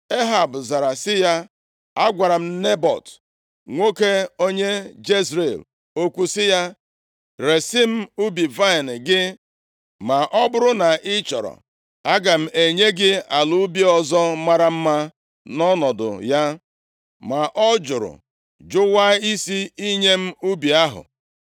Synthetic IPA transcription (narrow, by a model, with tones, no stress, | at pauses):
e˦ɦa˨bʊ˨za˨ɾa˨sɪ˦ja˦ | a˦ɡʷa˨ɾa˨m̩˦ne˦bɔ̰˨t | ŋʷo˦ke˦o˦ɲe˦d͡ʒe˦zɾe˨l | o˦kʷu˦sɪ˦ja˦ | ɾe˨sɪ˦m̩˦u˦bi˨va˦˨n˨ɡɪ˦ | ma˨ʔɔ˦bʊ˦ɾʊ˦na˨ɪ˦t͡ʃɔ˨ɾɔ̰˨ | a˦ɡa˨m̩˦e˨ɲe˦ɡɪ˦a˨lu˦bi˦ɔ˨zɔ˦ma˦ɾa˦m̩˦ma˦ | nɔ˦nɔ˨dʊ̰˨ja˦ | ma˨ʔɔ˦d͡ʒʊ˨ɾʊ̰˨ | d͡ʒʊ˦wa˦i˦si˦i˦ɲe˦m̩˦u˦bi˨a˦ɦʊ̰˨